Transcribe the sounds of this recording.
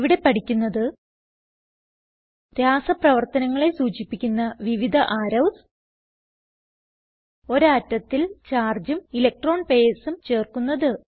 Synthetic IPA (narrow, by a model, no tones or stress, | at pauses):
ʋiɽe̞pɐʈʰikʲːunːɐðɨ | d̪jaːsɐprɐʋɐrt̪ɐnɐŋːɐɭe̞suːt͡ɕipːikʲːunːɐʋiʋid̪ʱɐʔaːɾɐws | o̞ɾɐtːɐt̪ːilt͡ɕaːrd͡ʑumilɐk̚ʈro̞ːɳpe̞ːsumt͡ɕe̞ːrkunːɐðɨ